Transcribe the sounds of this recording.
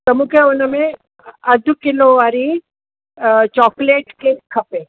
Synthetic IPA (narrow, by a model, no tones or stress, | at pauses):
t̪ɐmukʰeʊnəmẽ | əd̪ʱukɪloʋaɾi | t͡ʃɔːkleːʈkekʰːɐpe